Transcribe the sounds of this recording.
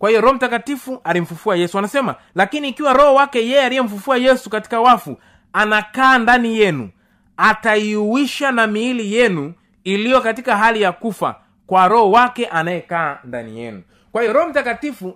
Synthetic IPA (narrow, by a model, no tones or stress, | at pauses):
kwahijɔɾɔhɔm̩takatifuʔalim̩fufuajɛsuanasɛma̰ | lakiniːkiwaɾɔhɔwakɛjɛjɛalijɛm̩fufuajɛsukati̥kawafu | anakaːndanijɛnṵ | ataiuwiʃanamiːlijɛnu | ilijɔkatikaɦalijakufa̰ | kwaɾɔhɔwakɛʔanajɛkaːnda̰nḭjɛ̰nu | kwahijɔɾɔhɔm̩takatifu